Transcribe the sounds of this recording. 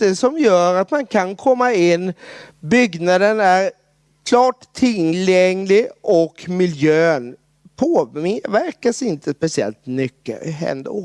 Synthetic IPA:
ɛsɔmjœːɾat̪mankʰankʰɔmːaɪnːbʏɡnad̪ənæɾ | kʰlɑːʈt̪ʰːɪljɛŋlɪʔɔkmɪljøːn | pʰoːvæɾkasɪnt̪ʰəspɛsɪɛ̰lt̪mʏkːə̰ɛ̰nd̪o̰

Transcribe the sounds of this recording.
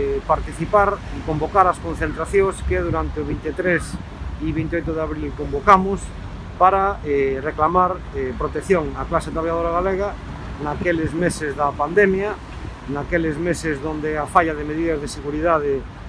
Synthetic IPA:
paɾt̪iθipaɾikombokaɾaskon̟θẽnt̪ɾaθjõŋskeðuɾant̪eoβ̞int̪et̪ɾes | iβint̪eojt̪̬oðeaβɾilkõmbokamʊs | paɾaereklamaɾ | epɾot̪ekθjoŋaklaset̪ɾaβjaðoɾaɣaleɣ̞a | nakelezmesezðapand̪emja | nakelezmesezðond̪eafaʎaðemeðiðazðeseɣuɾiðað̞e

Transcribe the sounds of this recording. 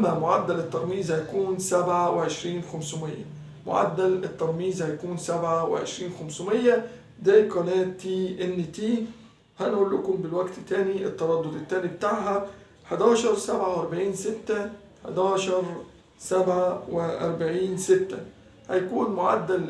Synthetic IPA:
ʔmːæmʊʕad̪ːælɪt̪ːɑɾˤmiːzhæjakuːnsabʕawɪʕeʃɾiːnxæmsʊmɪjːæ̰ | mʊ̰ʕa̰d̪ːælɪt̪ːɑɾˤmiːzhæjkuːnsabʕawɪ̰ʕḛʃɾiːnxæmsʊmɪjːæ | d̪æːkɑnæːt̪ːiːʔɪnːt̪iː | hænʔuːlːʊkʊmbɪlwæɡt̪t̪ːæːniʔɪt̪ːɑɾˤɑd̪ːod̪ɪt̪ːæːnibt̪aːʕɦæ | ħad̪æːʃɑɾˤsabʕawʔɑɾˤbaʕiːnsɪt̪ːæ | ħa̰d̪æːʃɑɾˤ | sæbʕawɪʔɑ̰ɾˤbaʕiːnsɪt̪ːæ | hæ̰jkuːnmʊʕad̪ːæl

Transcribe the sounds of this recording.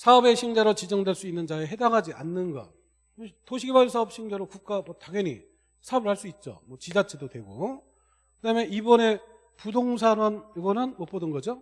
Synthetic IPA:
sʰaʌbe̞ɕʰiŋd͡ʑaɾot͡ɕid͡ʑʌŋdweɭs͈uinːɯnd͡ʑaeɦe̞daŋɦad͡ʑia̰nːɯnɡʌ̰ | otoɕʰiɡebas̬ʰaʌp̚ɕ͈ʰiŋd͡ʑaɾokuk̚k͈amʌtaɡjʌnḭ | sʰaʌbɯɭhaɭs͈uit̚t͡ɕ͈o̰mwʌt͡ɕid͡ʑat͡ɕʰedodwe̞ɡo̰ | kkɯdamʌnibʌne̞ | pudoŋs̬ʰaɾanoɡʌnɯnmop͈ʌdɯnɡʌd͡ʑo

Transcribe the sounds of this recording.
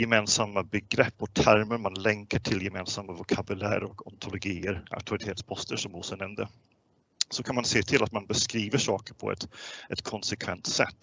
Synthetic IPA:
jɛmeːnsamːabɛɡɾɛpːɔt̪ʰæɾməɾmanlɛŋkaʈʰɪljɛmeːnsamːavʊkʰabʉlæ̰ːɾɔkɔ̰nt̪ʰʊlʊɡiːəɾa̰ʊt̪ʰʊɾɪt̪ʰeːt̪spʰɔst̪əʂɔmʊːsənɛmd̪ə | sɔkʰanmanseːt̪ʰɪlat̪manbɛskɾiːvəʂɑːkəɾpʰɔ̰ɛ̰t̪ʔɛt̪kʰɔnsɛkʰvɛnt̪sɛ̰t̪ː

